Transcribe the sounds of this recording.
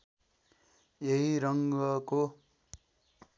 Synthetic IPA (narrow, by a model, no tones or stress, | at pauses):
jeɦiɾʌŋɡʌko